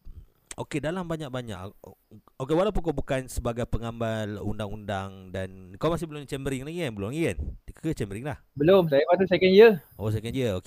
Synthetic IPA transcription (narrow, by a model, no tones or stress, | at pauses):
o̰kedalambaɲak̚baɲa̰k | okewalawp̬unkobukansəbaɡajpəŋambalṵndaŋundaŋdankawmas̬ɪbəlʊmnt͡ʃɛmbəɾɪŋlaŋiənbəlumlaŋiənt̪ikkət͡ʃɛmbəɾɪŋlahbəloms̬ajəbat̪usɛkɛnjəʔos̬ɛkɛnjəoke